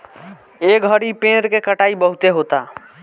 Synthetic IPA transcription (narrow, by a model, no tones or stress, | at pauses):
eːkəɽipẽːɾkekəʈaːibəɦʊt̪eɦoːt̪a